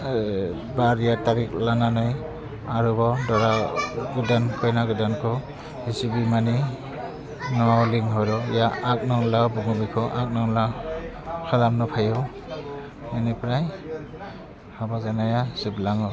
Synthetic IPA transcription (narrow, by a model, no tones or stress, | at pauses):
baɾijataɾik̚lananɯj | aɾubɔdɔɾaɡɯdankʰɔjnaɡɯdankʰɔ | hisibimani | nɔawliŋɦɔɾɔjaak̚nɔŋlawbuŋubikʰɔʔak̚naŋla | kʰalamnɔpʰajɔw | menipʰɾaj | habazanajasɯblaŋɔ